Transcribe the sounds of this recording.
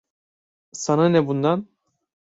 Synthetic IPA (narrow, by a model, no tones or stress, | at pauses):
sananɛbund̪an